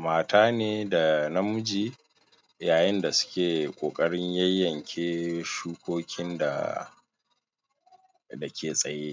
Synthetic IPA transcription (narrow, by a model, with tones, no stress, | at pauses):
maː˨taː˦neː˦da˨na˦mʊ˦d͡ʒiː˦ | jaː˨jɪ˦nda˨sʊ̥˦kʲeː˨kʷʼoː˨kʼɐ˦ɽɪ˦ɲjɐ˦jːɐ˨ŋkʲʰeː˦ʃuː˦kʷoː˦kʲɪ˦nda̰˨ | da˨kʲʰeː˨sʼɐ˨jeː˦